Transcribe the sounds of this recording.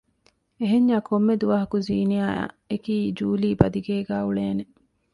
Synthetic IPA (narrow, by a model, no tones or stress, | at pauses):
eɦeɲːaːkʰomːed̪uʋɐɦɐkuziːnijaːa̰ː | ekiːd͡ʒuːliːbɐd̪iɡeːɡæːuɭeːne